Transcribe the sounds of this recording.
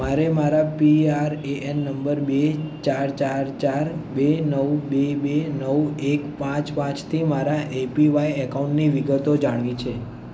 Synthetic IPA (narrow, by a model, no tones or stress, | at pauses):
maɾemaɾapiaɾeʔenːəmbəɾbet͡ʃaɾt͡ʃaɾt͡ʃaɾbenəwbebenəwekpãt͡ʃpãt͡ʃt̪ʰimaɾaʔepiʋaiɛkauɳʈniʋiɡət̪od͡ʒaɽ̃ʋit͡ʃʰe